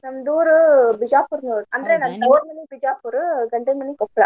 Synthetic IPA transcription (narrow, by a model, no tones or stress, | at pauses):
nɐmd̪uːɾɯbɪd͡ʒaːpʊɾnuːɾʔɐnd̪ɾeːnɐmoːɾmɐnːibɪd͡ʒaːpʊɾɯɡɐɳɖɐmɐnːikɔpːɐɭa̰ː